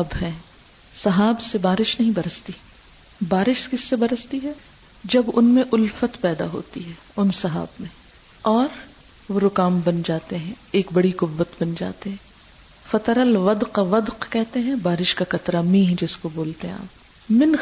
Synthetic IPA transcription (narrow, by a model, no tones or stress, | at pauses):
ɐbɦɛ̃ː | sɐɦaːbsebaːɾɪʃnɐɦĩbɐɾəst̪i | baːɾɪʃkɪsːebɐɾəst̪iɦɛː | d͡ʒɐbʊnmẽʔʊlfət̪pɛːd̪a̰ɦo̰ːt̪iɦɛː | ʊnsɐɦa̰ːbmẽ | ɔːɾ | ʋoɾʊkaːmbɐnd͡ʒaːt̪eɦɛ̃ | eːkbɐɽiqʊʋːət̪bɐnd͡ʒa̰ːt̪eɦɛ̃ː | fɐt̪ɾəlʋɐd̪qaʋɐd̪qkɛɦt̪eɦɛ̃baːɾɪʃkakɐt̪ɾamĩːɦd͡ʒɪskoboːlt̪eɦɛ̃a̰ːp̚ | mɪn